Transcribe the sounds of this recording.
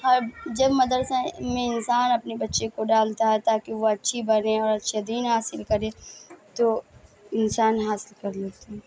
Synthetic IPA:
ɦɔɾd͡ʒɐbmɐd̪əɾsɛ̃mẽɪnsaːnɐpnebɐtːʃekoɖaːlt̪aɦɛt̪aːkeʋoɐtːʃʰibɐnẽɔːɾɐtːʃʰed̪iːnɦaːsɪlkɐɾẽt̪o | ɪnsaːnɦaːsɪlkɐɾleːt̪eɦɛ

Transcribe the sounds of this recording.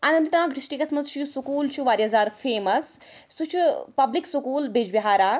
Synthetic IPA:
ɐnɐnt̪t̪ãːɡɾiʃʈiːkɐsmɐzt͡ʃʰujusukuːlt͡ʃʰuʋaːɾjazaːɾfeːmɐsː | ut͡ʃʰupɐbliksukuːlbeːd͡ʒbiɦaːɾaː

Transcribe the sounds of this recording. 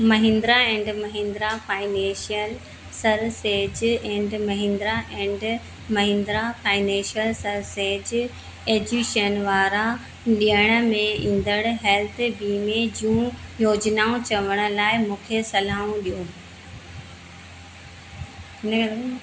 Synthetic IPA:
mɐɦɪ̃ːnd̪ɾaɛ̃ːɳɖmɐɦẽːnd̪ɾafaːɪnẽʃiəl | sɐɾseːd͡ʑɛ̃ːɳɖmɐɦɪ̃ːnd̪ɾaʔɛ̃ːɳɖ | mɐɦɪ̃ːnd̪ɾafaːɪnɛ̃ːʃijəlsɐɾseːd͡ʑ | eːd͡ʑuːʃənʋaːɾa | ɗijəɽ̃ə̆mẽĩːnd̪əɽɦɛːlt̪ʰbiːmed͡ʑũjoːd͡ʑnaːũt͡ɕɐʋəɽ̃ʊ̆laːɪmũːkʰesɐlaːũɗijũː | ɪn

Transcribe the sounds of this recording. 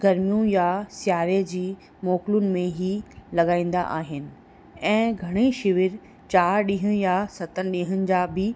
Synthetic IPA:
ɡɐɾmijũjasjaːɾed͡ʑiː | moːkɪlʊnɪ̆mẽɦilɐɠaːĩːn̆d̪a̰ʔaːɦɪnɪ̆ | ɛ̃ːɡʱɐɽ̃iʃɪʋɪɾ | t͡ɕaːɾɗĩːɦə̃jasɐt̪ənɪ̆ɗĩːɦənɪ̆d͡ʑaːbɪ

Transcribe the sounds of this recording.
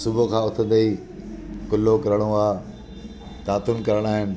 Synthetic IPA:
sʊbʱokʰãːʊt̪ʰə̃d̪ɐi | kʊlːokɐɾəɽ̃oaː | t̪aːt̪ʊnkɐɾəɽ̃aːɦɪnɪ̆

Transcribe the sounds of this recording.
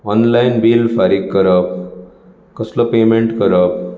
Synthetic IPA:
ʌnlajnbilpʰaɾiɡːʌɾʌp̚ | kʌslopemeɳʈkʌɾʌp̚

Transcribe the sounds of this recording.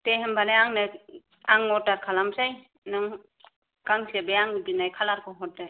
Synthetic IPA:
teɦembanaaŋna | aŋɔtaɾkʰalamsaj | naŋ | kaŋsebejaŋbinajkʰalaɾkɔɦɔt̚daj

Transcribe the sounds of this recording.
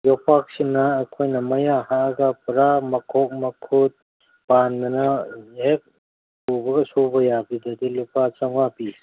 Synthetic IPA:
jopʰak̚sinɐːkʰojnɐmɐjahaɡɐpɾamɐkʰok̚mɐkʰut̪̚ | panːɐnɐhek̚ | pubɐɡɐsubɐjabidɐdilupat͡ʃɐŋwapi

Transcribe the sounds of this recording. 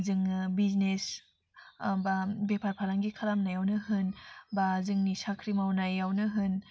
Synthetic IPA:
zɯŋbiznes | babepʰaɾpʰalaŋɡikʰalamnajawnɯɦɯnbazɯŋnisakʰɾimawnajawnɯɦɯn

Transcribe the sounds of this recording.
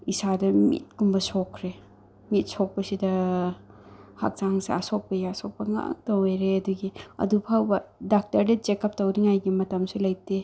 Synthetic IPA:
isadɐmḭt̚kumbɐsɔkʰɾe | mit̚sɔk̚pɐsidɐ | ha̰k̚t͡ʃaŋseasɔk̚pɐjaasok̚pɐŋa̰ŋtowejɾeɐduɡiɐ̰dupʰawbɐdak̚tɐɾdɐt͡ʃekɐp̚tɐwdiŋajɡimɐtɐmsulɐjte

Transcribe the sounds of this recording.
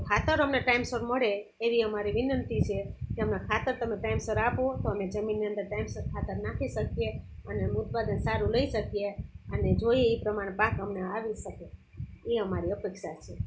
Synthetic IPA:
kʰat̪əɾəmneʈaimsəɾməɽeː | ʋiəmaɾiʋinənt̪it͡ʃʰekeəmnakʰat̪əɾt̪əmeʈaimsəɾapot̪oəmed͡ʒəminːiə̃nd̪əɾʈajmsəɾkʰat̪əɾnat̪ʰiʃəkjeəneut̪̚pad̪ənsaɾuləiʃəkijeəned͡ʒoieipɾəmaɽ̃pakəmneaʋiʃəkeiəmaɾiəpekʃat͡ʃʰe

